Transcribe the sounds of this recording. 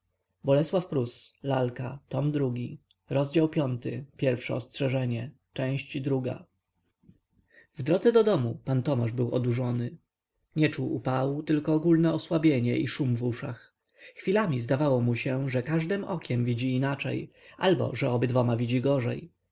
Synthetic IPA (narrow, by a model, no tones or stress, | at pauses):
bɔlɛswafpɾuslalkat̪ɔmd̪ɾuɡʲi | ɾɔzd͡ʑawpʲjɔnt̪ɘpʲjɛɾfʂɛ̰ɔstʂɛʐɛɲɛ | t͡ʂɛ̃w̃ɕt͡ɕd̪ɾuɡa̰ | vd̪ɾɔd̪zɛd̪ɔd̪ɔmupant̪ɔmaʐbɘwɔ̰d̪uʐɔnɘ | ɲɛt͡ʂuwʔṵpawut̪ɘlkɔːɡulnɛɔswabʲjeɲɛʔiʂumvuʂa̰x | xfʲilamʲizd̪avawɔmuɕɛʐɛkaʐd̪ɛmɔkʲʰɛmvʲid͡ʑiːnat͡ʂɛ̰j | ʔalbɔ̰ʐɛɔbɘd̪vɔmavʲid͡ʑiɡɔʐɛ̰j